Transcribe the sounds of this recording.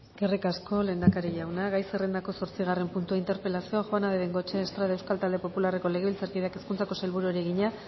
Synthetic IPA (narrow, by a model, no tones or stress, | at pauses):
ɡ̥erikasko̞le̞nd̪akaɾiʝawnaɣajsere̞nd̪ako̞so̞ɾt͡siɣ̞are̞mpunt̪uaint̪e̞ɾpe̞lasio̞aʝoanaðeβeŋɡot͡ʃeːst̪ɾaðewskalt̪ald̪e̞po̞pulare̞ko̞le̞ɣe̞βilt͡saɾkiðake̞skunt͡sako̞sajlβuɾueɾieɣiɲa